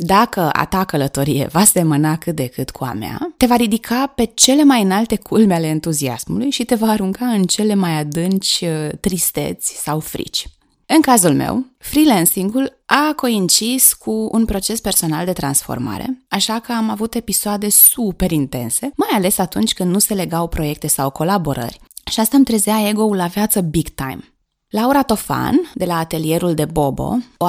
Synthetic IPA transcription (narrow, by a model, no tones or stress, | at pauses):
d̪akəa̰t̪akələt̪o̞ɾije̞̰vase̞mənakɨt̪̚d̪e̞kɨt̪kʰua̰mea̰t̪e̞vaɾid̪ikʰape̞t͡ʃe̞le̞majɨnalt̪e̞kʰulmeale̞ɨnt̪uzia̰smulujʃit̪e̞vaːɾuŋkaɨnt͡ʃe̞le̞majad̪ɨnt͡ʃʲt̪ɾist̪e̞̰t̪sʲsawfɾḭt͡ʃʲ | ɨŋkazulmḛwfɾilensiŋɡul | ako̞int͡ʃiskʰuṵnpɾo̞t͡ʃe̞spe̞rso̞nald̪e̞t̪ɾa̰nsfo̞̰rma̰ɾe̞̰aʃakəamavut̪e̞pisoad̪e̞supe̞ɾint̪e̞̰nse̞majale̞sat̪unt͡ʃʲkɨnd̪nuse̞le̞ɡawpɾo̞je̞k̚t̪e̞sawko̞labo̞ɾə̰rʲʃiast̪amt̪ɾezeae̞ɡo̞ulːavjat̪səbiɡt̪a̰jm | lauɾat̪o̞fa̰nd̪e̞laːt̪e̞lie̞ɾuld̪e̞bo̞bo̞̰